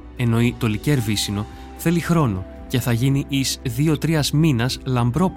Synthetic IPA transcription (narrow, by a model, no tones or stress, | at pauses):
e̞no̞it̪o̞liceɾvisino̞ | θe̞lixɾo̞no̞ | ce̞θɐʝiniʔisðio̞t̪ɾiɐzminɐslɐmbɾo̞p